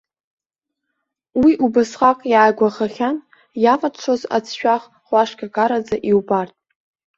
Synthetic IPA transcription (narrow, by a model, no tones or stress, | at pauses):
wiʔubasχakʼjaːɡʷaχaχʲan | javʼat͡ʃʷʰoza̰t͡sʰʃᶣaχ | χʷaʂkʲʼakʼaɾad͡zaʔiwbartʼ